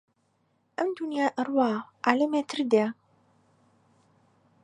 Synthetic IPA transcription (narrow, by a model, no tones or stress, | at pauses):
ʔɐmd̪unjaːʔɐrwaːʔaːlɐmeːt̪ʰɨɾd̪e